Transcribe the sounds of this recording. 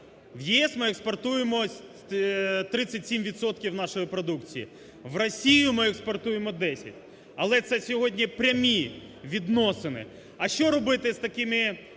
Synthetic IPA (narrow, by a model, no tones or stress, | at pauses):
wjiɛsmɪɛkspɔrt̪ujemɔ | t̪ɾɪt͡sʲːɐtʲsʲimʋʲit̪sɔt̪kʲiwnɑʃɔjipɾɔd̪ukt͡sʲijḭ | ʋrɔsʲijʊmɪɛkspɔrt̪ujemɔd̪ɛsʲɐ̰tʲ | ɐlˠɛt̪sɛsʲɔɦɔdʲnʲipɾʲɐmʲi | ʋʲid̪nɔsɪnɪ̰ | ɐʃt͡ʃɔɾɔbɪt̪ɪst̪ɐkɪmɪ